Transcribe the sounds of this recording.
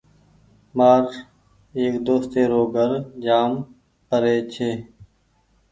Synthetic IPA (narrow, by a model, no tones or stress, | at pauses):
maːɾ | eːkd̪oːst̪eːɾoːɡəɾd͡ʒaːm | pəɾeːt͡ɕʰeː